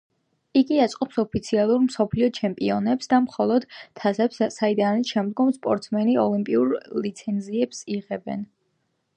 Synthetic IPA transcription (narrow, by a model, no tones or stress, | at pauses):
iɡiat̪sʼqʼɔpsɔpʰit̪sʰialˠuɾmsɔpʰliɔt͡ʃʰɛmpʼiɔnɛpsd̪amχɔlˠɔd̪t̪ʰːazɛpssaid̪aniʃɛmd̪ɡɔmspʼɔɾt̪sʰmɛniɔ̰limpʼiuɾlit̪sʰɛnziɛpsiʁɛbɛ̰n